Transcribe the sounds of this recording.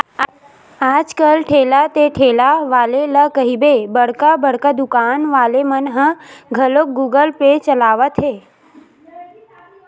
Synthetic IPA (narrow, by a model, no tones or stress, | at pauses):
aːd͡ʒkəlʈʰeːlat̪eʈʰeːlaʋaːleləkəɦibebəɽkabəɽkad̪ʊkaːnʋaːlemənɦə̃ɡʱəlok̚ɡuːɡəlpet͡ʃəlaːʋət̪ɦeː